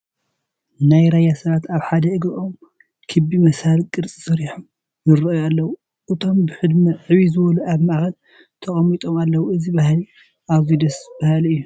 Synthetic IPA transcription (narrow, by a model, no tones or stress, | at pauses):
najɾajasɐβat̪aβħad̪ɐɨɡɾɨʔom | kʰɨbimɐshalkʼɨɾt͡sʼi̥sɨɾiħom | jɨɾɐʔjalːɐwu | ʔɨt̪ʰo̞mbɨħɨd̪mɐʕɨβizɨβɐluʔaβmaʔxɐl | t̪ʰɐχʼɐmit̪ʼo̞malːɐwuʔɨzibahli | ʔaβzud̪ɐsb̥ahaliɨjːu